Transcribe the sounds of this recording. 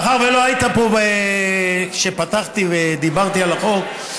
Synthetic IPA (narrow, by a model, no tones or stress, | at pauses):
χaʁvelo̞ajit̪apobe | ʃepat̪aχt̪ived̪ibaʁt̪ialaχo̞k